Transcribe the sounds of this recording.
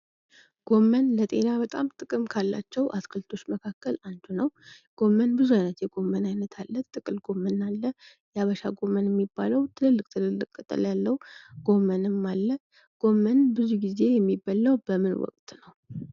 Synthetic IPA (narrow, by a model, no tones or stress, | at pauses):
ɡ̥o̞mːənlət̪ʼe̞̰naβət̪ʼamt̪ʼɨkʼɨmkʰalːa̰t͡ʃːɛwʔa̰skʰəlt̪ʰo̞t͡ʃːməkʰakːəlant͡ʃʰunəw | ɡ̥o̞mːənbɨzuajnət̪jɛɡo̞mːənajnət̪ʰalːət̪ʼːɨkʼɨlɡo̞mːənːalːə | jaβəʃaɡo̞mːənjɛmːibːaləwt̪ʰɨlɨlːɨkʼt̪ʰɨlɨlːɨkʼːət̪ʼə̰ljalːəwɡ̥o̞mːənɨmalːə | ɡ̥o̞mːənbɨzuɡize̞jɛmːibːəlːawbəmɨnwɔ̰kʼt̪ʼnəw